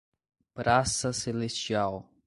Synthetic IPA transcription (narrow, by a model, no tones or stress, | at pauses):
pɾasɐselest͡ʃiaw